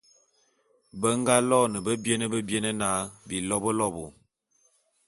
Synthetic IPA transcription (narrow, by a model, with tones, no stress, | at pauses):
bə˦ŋ˦ɡa˦lɔ˦˨nə˨bə˦bje˦nə˦bə˦bje˦nə˦na˦bi˨lɔ˦bə˦lɔ˦bo˨